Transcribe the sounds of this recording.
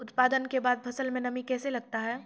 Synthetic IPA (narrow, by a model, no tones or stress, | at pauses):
ʊt̪paːd̪ənkebaːd̪̚bʰɐsəlmẽnɐmikɛːselɐɡ̚t̪aɦɛː